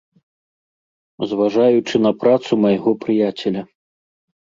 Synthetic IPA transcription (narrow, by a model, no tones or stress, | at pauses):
zvaʐajut͡ʂɨnɐpɾat̪sumɐjɣɔpɾɨjat͡sʲɛlʲɐ